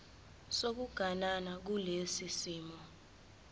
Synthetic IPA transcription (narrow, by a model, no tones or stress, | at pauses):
sok̬uɡ̥ʱananak̬ulesisiːmɔ